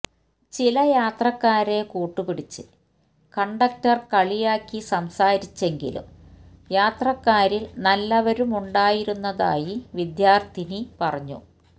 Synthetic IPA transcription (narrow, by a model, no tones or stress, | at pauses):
t͡ɕilɐjaːt̪rɐkːaːɾe̞kuːʈːupiɽit͡ɕːɨ | kɐɳɖɐk̚tɐrkɐɭijaːkːisɐmsaːɾit͡ɕːe̞ŋɡḭlṵm | jaːt̪rɐkːaːɾilnɐlːɐʋɐɾumuɳɖaːjiɾunːɐða̰ːjiʋid̪jaːrt̪ʰinipɐrɐɲːṵ